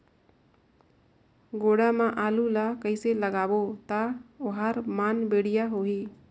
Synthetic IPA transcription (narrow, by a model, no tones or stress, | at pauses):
ɡoːɽamãʔaːlulakəɪseləɡaːbot̪aʊɦaːɾmaːnbeːɽijaɦoːɦiː